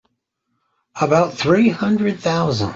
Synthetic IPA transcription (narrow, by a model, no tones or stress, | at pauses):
əbaʊt̪̚θɹihʌ̃ndɹɨd̪̚θaʊzə̰̃n